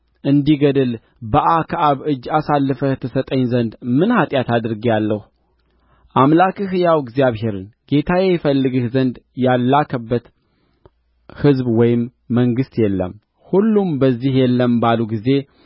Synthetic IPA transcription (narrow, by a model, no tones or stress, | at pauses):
ʔɨnd̪iɡəd̪əl | bəʔakʰəʔaβɨd͡ʒːasalːɨfət̪ʰəsət̪ʼəɲzənd̪mɨnhat̪ʼjat̪ad̪ɨɾɡijalːəhu | ʔamlakiɦɨjawɡzjaβɦe̞ɾɨnɡ̥e̞t̪ʰajejɛfəlːɨɡɨhzənd̪jalːakʰəbːət̪ | hɨzbwɔjɪmː | əŋɡɨst̪jɛlːə̰m | hulːumbəzːihjɛlːəmbaluɡize̞